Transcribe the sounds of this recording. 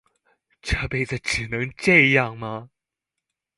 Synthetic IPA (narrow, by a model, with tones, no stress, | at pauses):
ʈ͡ʂʰɤ˥˧˩pe˥˩ɪt͡sə˨˩ʈ͡ʂɻ̩˨˩nɤ˧˦˥ŋʈ͡ʂɤ˥˧jɑ˥˩ŋmɐ˨